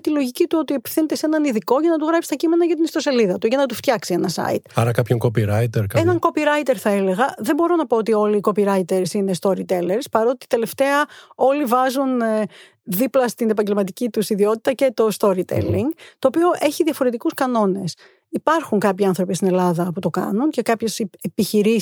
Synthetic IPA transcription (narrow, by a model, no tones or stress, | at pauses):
t̪ilo̞ʝicit̪uo̞t̪iepi̥fθinet̪esenɐniðiko̞ʝɐnɐt̪uɣɾɐpst̪ɐcime̞nɐʝɐt̪̬inist̪o̞se̞liðɐt̪uʝɐnɐt̪uft̪çɐksie̞nɐsɐ̰ḭt̪ɐɾɐkɐpçoŋkopiɾɐit̪eɾkenɐŋko̞piɾɐit̪e̞ɾθɐele̞ɣɐðembo̞ɾo̞nɐpoot̪io̞liːko̞piɾɐit̪e̞ɾsine̞st̪o̞ɾit̪e̞leɾspɐɾo̞t̪i̥t̪e̞le̞ft̪e̞ɐo̞livɐzun | ðiplɐst̪ine̞pɐɲɟe̞lmɐt̪icit̪usiðio̞t̪i̥t̪ɐce̞t̪o̞st̪o̞ɾit̪ḛliŋɡt̪o̞ːpio̞ʔe̞çiðijɐfo̞ɾe̞t̪ikuskɐno̞ne̞s | ipɐɾxuŋkɐpçiɐnθɾo̞pist̪inelɐðɐput̪o̞kɐ̰nunce̞kɐpçe̞sepiçiɾi